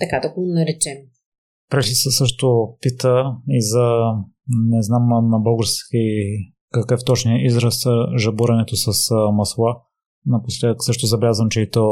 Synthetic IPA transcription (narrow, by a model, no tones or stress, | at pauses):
t̪ɐkad̪ɐɡonɐɾɛt͡ʃɛm | pɾɛt͡ʃisɛsɤʃt̪opit̪əizɐ | nɛznamnɐbɤlˠɡʊɾski | kɐkəft̪ɔt͡ʃniəʔizɾəsʒɐbuɾɐnɛt̪osɐsmɐslˠa | nɐposlʲɛd̪ksɤʃt̪ʊzɐblʲazvəmt͡ʃɛit̪ɔ